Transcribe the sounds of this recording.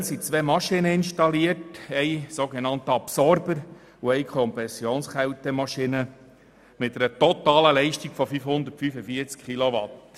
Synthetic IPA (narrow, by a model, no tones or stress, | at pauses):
nsit͡sʋeːmɑʃɪnəɪnʃtɑliətɛɪsoɡenɑnt̪əɑpsɔɾbəɾ | uɛjkʰɔmpɛsjoːnsχɛwt̪ɛmɑʃinə | mɪt̚ːɛɾətɔt̪ɑːləlɛɪʃtiɡ̥fɔfyfhʊnd̪ətfyfəfiəɾt͡skχiloʋɑt